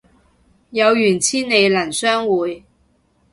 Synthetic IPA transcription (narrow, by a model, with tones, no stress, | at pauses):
jɐ˨˧wjyː˨˩nt͡sʰiː˥ne˨˧jlɐ˨˩nsœː˥ŋwuː˨˧j